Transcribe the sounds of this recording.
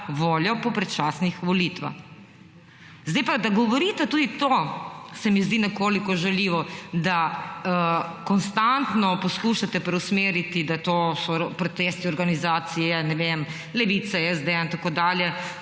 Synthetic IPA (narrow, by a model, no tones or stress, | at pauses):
ʋoːljɔpɔpɾɛt͡ʃasnixʋɔlit̪ʋa̰x | zd̪ajpad̪aɡɔʋɔɾit̪ɛt̪uːd̪it̪oːsɛmizd̪inɛkoːlikɔʒɛliːʋɔd̪a | kɔnst̪ant̪nɔpɔskuːʃat̪ɛpɾɛusmeːɾit̪id̪at̪oːsɔpɾɔt̪est̪iɔɾɡanizaːt̪sijɛnɛʋem | lɛʋit̪sɛɛzd̪eint̪akoːd̪aːljɛ